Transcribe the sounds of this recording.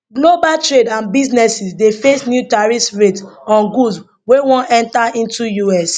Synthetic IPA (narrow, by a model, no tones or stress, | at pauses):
ɡlobaltɹedãnbiznɛsisdefesnjutaɹisɹetsɔ̃nɡus | wewɔ̃nɛ̃ntaĩntujuɛs